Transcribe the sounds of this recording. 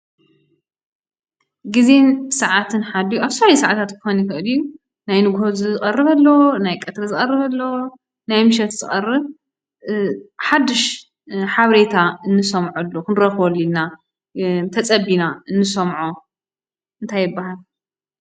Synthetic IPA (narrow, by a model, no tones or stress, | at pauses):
ɡɨzensɐʕat̪ʰɨnħad̪ijuʔaβsɐaɾisaʕat̪ʰat̪kɨxonixɨʔɨliju | najnɨɡhozɨzɨχʼɐrːɨβɐlːownajkʼɐt̪ɾɐzɨχʼɐrːɨβɐlːow | najmɨʃ̬ɛt̪zɨχʼɐrːɨβ | ħad̪ːɨʃ | ħaβɾet̪ʰaɨnːɨsɐmʕolːukʰɨnɾɐxolːilna | t̪ʰɐt͡sʼɐbinaɨnːɨsɐmʕo | ʔɨnt̪ʰajːɪbːaɦal